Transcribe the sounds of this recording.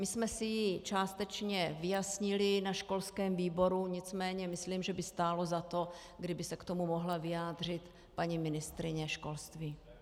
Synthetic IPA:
mɪsmɛsɪjit͡ʃaːst̪ɛt͡ʃɲɛvɪjasɲɪlɪnaʃko̞lskɛːmviːbo̞ɾuɲɪt͡smɛːɲɛmɪsliːmʒɛbɪst̪aːlo̞zat̪o̞ | ɡdɪbɪsɛkt̪omumo̞ɦlavɪjaːd̪r̝ɪt̪ | paɲimɪnɪst̪ɾɪɲɛʃko̞lst̪viː

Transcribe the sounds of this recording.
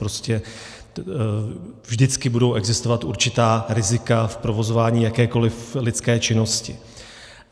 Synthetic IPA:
ɾoscɛ | vʒdɪt͡skɪbudo̞wʔɛɡzɪst̪ovat̪ʔuɾt͡ʃɪt̪aːɾɪzɪkafpɾo̞vo̞zo̞vaːɲiːjakɛːko̞lɪflɪt͡skɛːt͡ʃɪno̞scɪ̰

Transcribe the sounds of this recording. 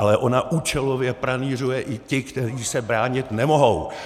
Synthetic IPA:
alɛʔo̞naʔuːt͡ʃɛlovjɛpɾaniːr̝ujɛʔɪcɪkt̪ɛriːsɛbɾaːɲɪt̪nɛmo̞ɦo̞w

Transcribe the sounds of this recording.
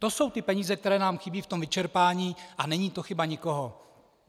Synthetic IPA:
t̪o̞so̞wt̪ɪpɛɲiːzɛk̚t̪ɛɾɛːnaːmxɪbiːft̪o̞mvɪt͡ʃɛɾpaːɲiːʔanɛɲiːt̪o̞xɪbaɲɪko̞ɦo

